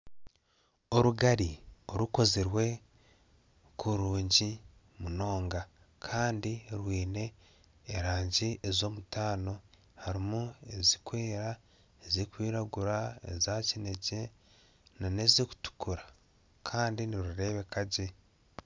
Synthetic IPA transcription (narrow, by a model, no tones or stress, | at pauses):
o̞ɾuɡaɾio̞ɾuko̞ziɾwe̞ | kuɾuːɲɟi | muno̞ːŋɡa | kʰaːndiɾwiːne̞ː | ɾaːɲɟiezo̞ːmutaːno̞ | haɾimue̞zikwe̞ːɾa | ezikwiːɾaɡuɾaḛzacine̞ɟe̞ | nane̞ziku̥tu̥kuɾa | kʰaːndiniɾuɾe̞βe̞kaɟe̞